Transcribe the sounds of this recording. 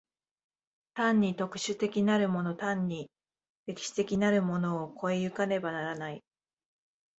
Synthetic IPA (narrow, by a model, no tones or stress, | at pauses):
t̪ãɲ̟ːit̪o̞kɯ̟̥ɕɨt̪e̞kʲinaɾɯ̟mo̞no̞t̪ãɲ̟ːi | ɾe̞kʲi̥ɕi̥t̪e̞kʲinaɾɯ̟mo̞no̞ːkʰo̞ejɯ̟kane̞banaɾanai